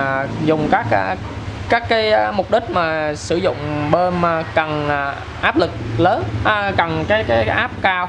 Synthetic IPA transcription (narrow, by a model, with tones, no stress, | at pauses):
zʊ˨˩ŋ͡mkaː˦˥k̚ʔa˧ | kaː˦˥kkːaː˨˦jmʊ˨˩k͡p̚ɗï˦˥k̟̚maː˨˩sɨ˧˩zʊ̰˧˨ŋ͡mɓe˧na˨˩kə˨˩nː˨˩ | ʔaː˦˥p̚lɨ˨˩k̚ləː˨˦nʔkə˨˩nkaː˨˦jkaː˨˦jʔaː˦˥p̚kaː˧w